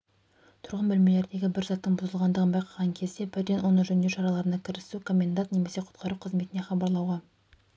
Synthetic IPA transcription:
t̪ʰʊɾʁənbɵlme̞le̞ɾd̪e̞ɡʲɪbɪɾzɑt̪ːəɴbʊzəlˠʁɑnd̪əʁənbɑjqʰɑʁɑŋkʲʰe̞zd̪e̞bɪɾd̪e̞nwo̞nəʒɵnd̪e̞ɾʃɑɾɑlˠɑɾənɑkʲʰɪɾɪsukʰo̞mʲːe̞nd̪at̪ne̞me̞se̞qʰʊ̥t̪̚qʰɑɾuqʰəzme̞t̪ɪne̞χɑbɑɾlˠɑwʁɑ

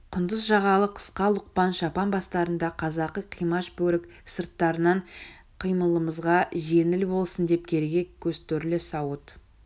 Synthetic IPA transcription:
qʰʊnd̪əzʒɑʁɑlˠəqʰə̥sqɑlˠʊq̚pɑnʃɑpɑnbɑst̪ɑɾənd̪ɑqʰɑzɑqːəqʰijmɑʃbɵɾɪk | səɾt̪ːɑɾənɑɴ | qʰəjməlˠəməzʁɑʒe̞nɪlbo̞lˠsənd̪e̞p̚kʲʰe̞ɾeɡʲe̞kʲʰɵzt̪ɪɾlɪsɑwət̪

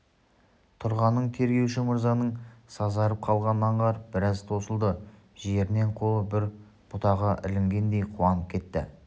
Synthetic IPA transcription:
t̪ʰʊɾʁɑnːəɴt̪ʰe̞ɾɡʲe̞wʃɪməɾzɑnəɴsɑzɑɾəp̚qʰɑlˠʁɑnːɑɴʁɑɾəp̚bɪɾɑzt̪ʰo̞səlˠd̪ə | ʒe̞ɾɪne̞ɴqʰo̞lˠəbɪɾ | b̥ʊt̪ɑʁəʔɪ̰lɪŋɡʲe̞nd̪e̞jqʰuɑnəp̚kʲʰe̞t̪ːɪ̰

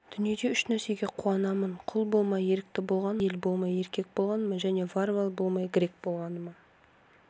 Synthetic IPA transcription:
d̪̥ʏnije̞d̪e̞ʏʃnæse̞ɡʲe̞qʰuɑnɑmənqʰʊlˠbo̞lˠmɑje̞ɾɪk̚t̪ɪbo̞lˠʁɑnelbo̞lˠmɑje̞ɾkʲe̞k̚bo̞lˠʁɑnəməʒæne̞varvalˠbo̞lˠmɑjɡʲɪɾe̞k̚b̥o̞lˠʁɑnəmɑ

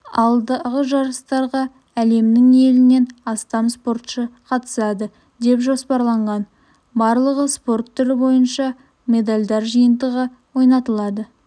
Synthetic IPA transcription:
ɑ̰lˠd̪əʁəʒɑɾəst̪ɑɾʁɑ | æle̞mnɪŋe̞lɪne̞nɑst̪ɑmspo̞rt̪ʃəqʰɑt̪ə̥sɑd̪ə | d̪e̞pʒo̞spɑɾlˠɑɴʁɑn | bɑɾlˠəʁəspo̞rt̪ʰːʏɾɪbo̞jənʃɑ | mʲe̞d̪alʲd̪ɑɾʒijənd̪əʁə | wo̞jnɑt̪əlˠɑd̪ə

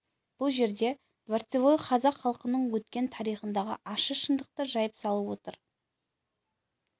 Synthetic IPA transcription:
b̥ʊlˠʒe̞ɾd̪e̞ | d̪̥vaɾt̪sevojqʰɑzɑqχɑlˠqənəɴwɵt̪kʲe̞nt̪ʰɑɾijχənd̪ɑʁə̰ʔɑʃəʃənd̪əq̚t̪əʒɑjəpsɑlˠəwo̞t̪əɾ

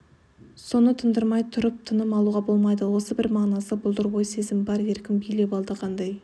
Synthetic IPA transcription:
so̞nət̪ʰənd̪əɾmɑjt̪ʰʊɾəp̚t̪ʰənəmɑlˠuʁɑbo̞lˠmɑjd̪əwo̞səbɪɾmɑʁnɑsəbʊlˠd̪əɾbojse̞zɪmbɑɾe̞ɾkʲɪmbijle̞bɑlˠd̪əqʰɑnd̪ɑj

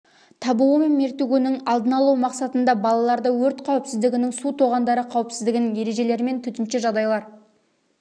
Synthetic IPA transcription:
t̪ʰɑbuwəmɪmmːeɾt̪eɡʲenɪŋɑlˠd̪ənɑlˠɑwmɑqsɑt̪ənd̪ɑbɑlˠɑlˠɑɾd̪əwɵɾt̪qʰɑwəpsɪzd̪ɪɡʲɪnɪŋsut̪ʰoʁɑnd̪ɑɾəqʰɑwəpsɪzd̪ɪɡʲɪnje̞ɾe̞ʒe̞le̞ɾɪme̞nt̪ʰʏt̪ɪnʃɪʒɑʁd̪ɑjlˠɑɾ

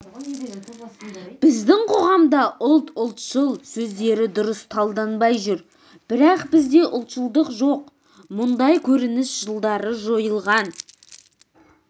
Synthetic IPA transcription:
b̥ɪzd̪ɪŋqʰo̞ʁɑmd̪ɑʔʊlˠt̪ʊlˠt̪ʃəlˠsɵzd̪e̞ɾɪd̪ʊɾəst̪ʰɑlˠd̪ɑnbɑjʒʏɾ | b̥ɪɾɑqbɪzd̪e̞ʔʊlˠt̪ʃəlˠd̪əqʒoq | mʊnd̪ɑjkʲʰɵɾɪnɪsʒ̥əlˠd̪ɑɾəʒo̞jəlˠʁɑn

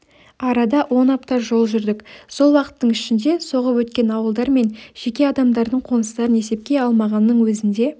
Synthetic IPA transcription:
ɑɾɑd̪ɑwo̞nɑp̚t̪ɑʒo̞lˠʒʏɾd̪ɪkso̞lˠwɑqə̥t̪ːəɴɪʃɪnd̪e̞so̞ʁəpwɵt̪kʲe̞nɑwəlˠd̪ɑɾme̞nʒ̥e̞kʲe̞ɑd̪ɑmd̪ɑɾd̪əɴqʰo̞nəst̪ɑɾəne̞se̞p̚kʲe̞ɑlˠmɑʁɑnːəɴwɵzɪnd̪e̞

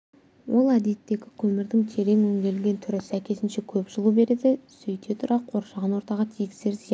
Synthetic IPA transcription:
wʔo̞lˠæd̪et̪ːe̞ɡʲɪkʲʰɵmɪɾd̪ɪŋt̪ʲʰe̞ɾe̞ŋwɵŋɡʲe̞lɡʲe̞nt̪ʰʏɾɪsækʲʰe̞sɪnʃe̞kʲʰɵpʒəlˠube̞ɾe̞d̪ɪsʏjt̪ʰet̪ʰʊɾɑqʰo̞ɾʃɑʁɑnwo̞ɾt̪ɑʁɑt̪ʰijɪɡʲse̞ɾzijɑ

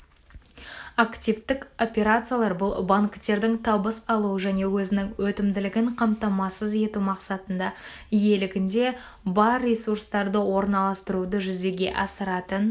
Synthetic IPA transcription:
akt̪ʲivt̪ɪko̞pʲe̞ɾat̪sɨjalˠɑɾbʊlˠbaŋkt̪e̞ɾd̪ɪŋt̪ʰɑbəsɑlˠuəʒæne̞wɵzɪnɪŋwɵt̪ɪmd̪ɪlɪɡʲɪɴqʰɑmt̪ɑmɑsəze̞t̪umɑqsɑt̪ənd̪ɑ | je̞lɪɡʲɪnd̪e̞ | bɑɾːesuɾst̪ɑɾd̪əwo̞ɾnɑlˠɑst̪əɾud̪əʒʏze̞ɡʲe̞̰ʔɑsəɾɑt̪ən

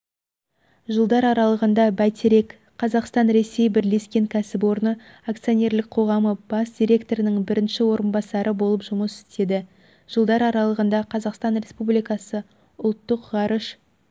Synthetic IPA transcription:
ʒəlˠd̪ɑɾɑɾɑlˠəʁənd̪ɑbæjt̪ʰeɾe̞k | qʰːɑzɑqst̪ɑnɾe̞se̞jbɪɾle̞skʲe̞ŋkʲʰæsɪpwo̞ɾnə | ak̚t̪sɨjonʲe̞ɾlɪk̚qʰo̞ʁɑməb̥ɑsd̪ʲiɾʲe̞kt̪o̞ɾɪnɪŋbɪɾɪnʃɪwo̞ɾənbɑsɑɾəbo̞lˠəpʒʊməsɪ̥st̪e̞d̪ɪ | ʒ̥əlˠd̪ɑɾɑɾɑlˠəʁənd̪ɑqʰɑzɑqst̪ɑnɾe̞spublijkɑsə | ʊlˠt̪ːəqʁɑɾəʃ

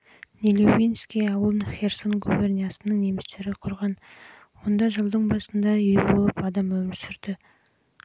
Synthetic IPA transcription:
nʲelʲevinskʲijɑwəlˠənxʲe̞rso̞nɡubernʲijɑsənəɴne̞mɪst̪e̞ɾɪqʰʊɾʁɑn | wo̞nd̪ɑʒəlˠd̪əɴbɑsənd̪ɑʏjbo̞lˠəpɑd̪ɑmɵmɪsɪɾd̪̥ɪ

